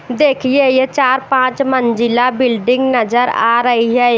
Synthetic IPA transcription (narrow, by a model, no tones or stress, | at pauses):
d̪eːkʰijejet͡ʃaːɾpãːt͡ʃmənd͡ʒɪlaːbɪlɖɪ̃ŋɡnəzəɾa̰ːɾəɦiɦɛe